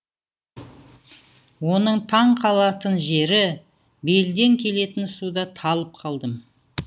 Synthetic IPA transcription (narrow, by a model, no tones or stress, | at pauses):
wo̞nəɴt̪ʰɑɴqʰɑlˠɑt̪ənʒe̞ɾɪ | be̞ld̪e̞ŋkʲʰe̞le̞t̪ɪnsud̪ɑt̪ʰɑlˠəp̚qʰɑlˠd̪əm